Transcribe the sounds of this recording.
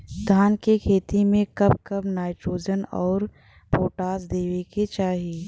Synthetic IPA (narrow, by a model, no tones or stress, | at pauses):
d̪ʱaːnkekʰeːt̪imẽkɐb̚kɐbnaːɪʈɾoːd͡ʒənɔ̰ːɾ | poːʈaːsd̪eːʋeket͡ʃaːɦieː